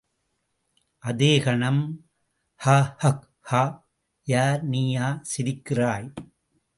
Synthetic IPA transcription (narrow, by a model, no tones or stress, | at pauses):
ʔɐðeːɣɐɳɐm | haːhɐk | haː | jaːɾniːjaːsɪɾɪkːɪraːj